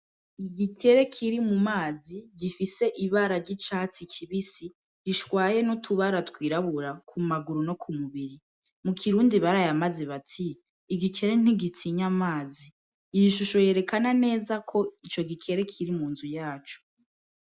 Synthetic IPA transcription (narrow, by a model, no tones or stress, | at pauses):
iɡikʰe̞ɾe̞kʰiɾimumaːziɡifise̞ʔiβaɾaɾɟit͡ʃaːt͡sikʰiβisi | ɡiʃwaːje̞notʰuβaɾatwiːɾaβuɾakʰumaɡuɾuno̞kʰumuβiɾi | mukʰiɾuːndiβaɾajamazeβatʰiː | ɡikʰe̞ɾe̞n̥iɡitʰiɲamaːziː | jiʃuʃo̞je̞ɾe̞kanane̞ːzakʰo̞it͡ʃo̞ɡikʰe̞ɾe̞kʰiɾimuːnzujaːt͡ʃo̥